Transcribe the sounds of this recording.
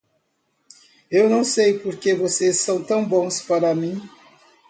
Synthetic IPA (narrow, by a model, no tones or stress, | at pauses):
ewnɐ̃w̃sejpoɾkevosesːɐ̃w̃t̪ɐ̃w̃bõspaɾɐmĩ